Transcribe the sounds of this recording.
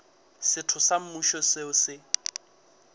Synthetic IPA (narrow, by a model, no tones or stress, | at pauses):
sɪtʰʊsam̩muʃɔsɪʊsɪ